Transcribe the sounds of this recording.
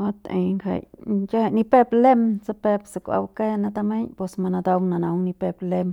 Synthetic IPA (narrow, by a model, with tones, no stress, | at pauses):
o˦t̪ḛ˨jŋɡa̰˨jt͡ʃa˦a˧˨ni˧pe˦˧ble˦mt͡sa˧˦pe˧bsa˨kʷa̰˧wke˦na˧d̪a˧me˦ɲpe˧sma˧na˧d̪a˧wna˨na˨˧wni˧pe˧ble˧m